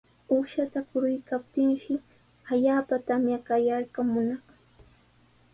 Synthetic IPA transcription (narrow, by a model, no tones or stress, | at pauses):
uʃat̪akʊɾʊjkap̚t̪ɪŋʃɪ | aʎaːpat̪amjakajaɾkamʊnɑχ